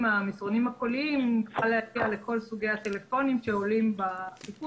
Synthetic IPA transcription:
amisʁo̞nimhako̞liimχalehapiale̞ko̞lsuɡe̞jat̪e̞le̞fo̞nimʃe̞olimbasipu

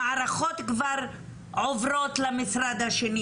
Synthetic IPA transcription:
aːɾaχot̪kvaɾ | ʕovɾo̞t̪lamisɾad̪haʃeni

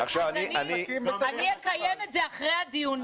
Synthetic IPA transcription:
aχʃavaniananiekajemetzeaχʁejhad̪iun

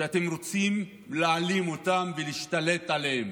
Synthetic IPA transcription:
eate̞mʁo̞t͡sim | lealimotamveliːʃtale̞talehem

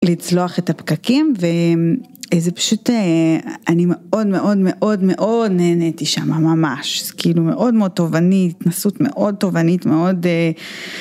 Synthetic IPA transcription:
lit͡slo̞aχetapkakimve | ezepḁʃut̪eanime̞o̞dme̞ʔo̞dme̞ʔo̞dme̞ʔo̞dneːnetiʃamamamaʃkiilume̞ʔo̞dmeo̞d̚to̞vanitːnasutme̞̰ʔo̞d̚to̞vanitme̞o̞de

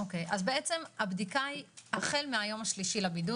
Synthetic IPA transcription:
oke̞jʔazbeet͡se̞mabdikajhaχe̞lmeajo̞maʃliʃilabidu

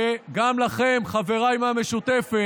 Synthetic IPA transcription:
ɡamlaχe̞mχave̞ʁajmame̞ʃut̪efe

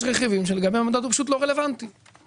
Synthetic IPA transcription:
ʃʁeχivimʃ̬eleɡabejamad̪ot̪upḁʃut̪lo̞ʁele̞vant̪i

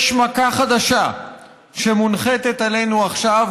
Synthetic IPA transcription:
ʃmakaχad̪aʃa | ʃe̞munχet̪et̪ale̞nuaχʃav

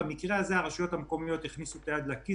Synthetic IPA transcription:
mikʁeazeaʁaʃujo̞t̪amko̞mijo̞t̪hiχnisut̪ead̪laki

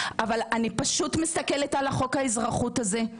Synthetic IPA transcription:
ʔavalanipaʃutmist̪ake̞letalaχo̞khaizʁaχutaze̞

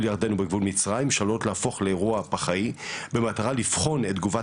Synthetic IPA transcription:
ljaʁd̪e̞nubeɡvulmit͡sʁajimʃalot̪leafo̞χleːʁuapaχaibemataʁalifχo̞net̚d̪ɡuva

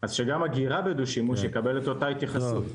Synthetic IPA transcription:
azʃeɡamaɡiʁabed̪uʃimuʃjkabe̞leto̞tait̪jaχasut

